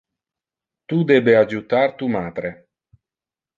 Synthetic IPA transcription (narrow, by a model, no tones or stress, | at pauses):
t̪ud̪ɛːbead͡ʒut̪art̪umaːd̪ɾe